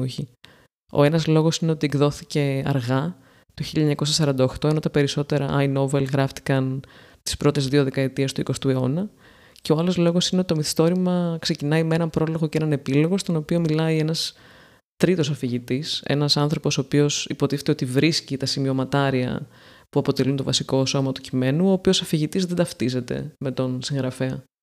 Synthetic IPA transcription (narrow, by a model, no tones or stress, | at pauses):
oçi | o̞̰e̞nɐzlo̞ɣo̞sine̞o̞t̪ieɡðo̞θice̞ɐ̰ɾɣɐ | t̪oçiʎːɐɲɐko̞s̬ɐsɐɾɐnd̪ɐoxt̪o̞eno̞t̪ɐpe̞ɾiso̞t̪e̞ɾɐʔɐjno̞velɣɾɐft̪i̥kɐn | t̪i̥spɾo̞t̪e̞zðio̞ðe̞kɐe̞t̪ie̞st̪uiko̞st̪ue̞o̞nɐ | ce̞oɐlo̞zlo̞ɣo̞sineo̞t̪t̪omiθi̥st̪o̞ɾimɐkse̞cinɐimee̞nɐmpɾo̞lo̞ɣo̞ceenɐne̞pilo̞ɣo̞st̪o̞no̞pio̞milɐie̞nɐs | t̪ɾit̪o̞sɐfiʝit̪ise̞̰nɐsɐnθɾo̞po̞soːpio̞sipo̞t̪iθet̪eot̪ivɾiscit̪ɐsimio̞mɐt̪ɐɾiɐ̰ | puɐpo̞t̪e̞lunt̪o̞vɐsiko̞so̞mɐt̪u̥cime̞nuo̞ːpio̞sɐfiʝit̪izðe̞d̪ɐft̪ize̞t̪e̞̰me̞t̪o̞nsiŋɣɾɐfe̞ɐ